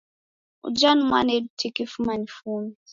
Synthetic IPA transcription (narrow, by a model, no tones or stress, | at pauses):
ṵd͡ʒanuma̰nedutʰikifumanifuni